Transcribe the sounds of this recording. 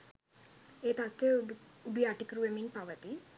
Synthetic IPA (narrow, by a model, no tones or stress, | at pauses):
eːt̪at̪ːeubiaːʈikɾuʋeminpɐʋɐt̪i